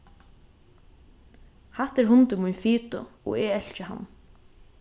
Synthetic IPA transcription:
haht̪ɛɾɦʊnt̪ʊmujnfiːt̪ʊ̰ɔ̰ɛɛl̥t͡ʃɪɦa̰n

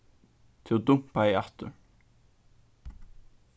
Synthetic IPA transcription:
t̪ʰɪld̪ʊm̥paɪaht̪ʏɹ

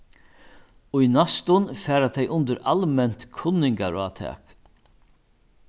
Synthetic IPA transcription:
ʊjnast̪ʊnfɛːɾat̪ʰɛjʔʊnt̪ɪɾalmɛn̥t̪kʰʊnːɪŋka̰ɾat̪ʰɛ̰ːk

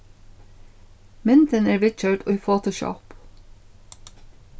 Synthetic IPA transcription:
mɪnt̪ʰənæːɹʋɪd̪c͡çœːʈʔoːiːfoːt̪ʊʃɑ̰ːp

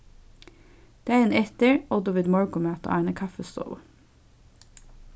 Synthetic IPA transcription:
d̪̥eːæːɾeːnɛt̪əɹɔd̪ʊʋɪd̪mɔɹɡʊmøːt̪ə̰ʔɑɪɳəkʰɑfəst̪o̰ːl

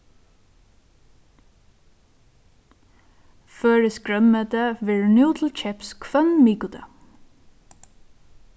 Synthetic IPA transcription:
fœːɹɪskɾœmːɛt̪avɛɹnjuwt̪ʰl̩t͡ʃʰɛpskʰvœnmiːkʊt̪ʰa

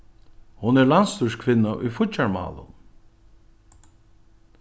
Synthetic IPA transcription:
hʊnɛɹlanst̪uʃkʰvɪnːaʔʊ̰jfʊt͡ʃːaɹma̰ːlʊ̰n

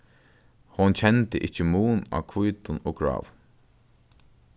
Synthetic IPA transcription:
hɔnt͡ɕʰɛnt̪əʔɪt͡ɕːəmuːna̰ːkʰvujt̪ʊnɔːɡɹa̰ːv

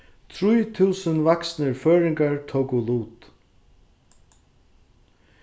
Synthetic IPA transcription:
t̪ʰɾujt̪ʰuːsənvaksnəɹføːɹɪŋkaɹt̪ʰoːkʊluːt̪

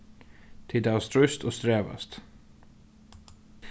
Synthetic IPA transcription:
t̪ʰɪd̪æːst̪ʰɾʉst̪oːst̪ɾeːʋɑ̰st̪

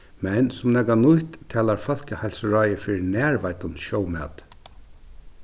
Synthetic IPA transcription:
mɛnsʊmnɛkanʊjt̪ʰːɛːlaɹfɔl̥kəhajlsɾajəfɪːɾɪnæːɹʋajt̪ʊnʃɔːwmɛ̰ːt̪

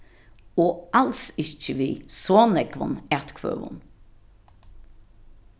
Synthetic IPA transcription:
oːʔɑlsɪçəʋiːsoːnɛɡʋɑ̰nɛt̪kʰʋø̰ːʋʊ̰n

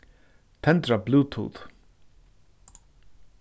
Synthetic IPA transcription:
t̪ʰɛnt̪ɹabluːt̪ʰṵːt̪

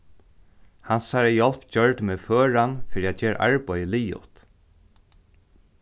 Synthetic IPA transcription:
hansaɹɛjɔlpd͡ʑœɹt̪meːðføːɹanfɪːɾiat͡ɕeːɾ̰ʔa̰ɹpɔjəliːʊ̰ht̪

